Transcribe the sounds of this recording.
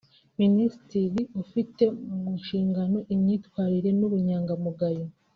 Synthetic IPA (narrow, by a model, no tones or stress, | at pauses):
minisitiɾiufite̞umunʃiːŋɡano̞ʔimɲiːtwaːɾiɾe̞nuβuɲaːŋɡamuɡajo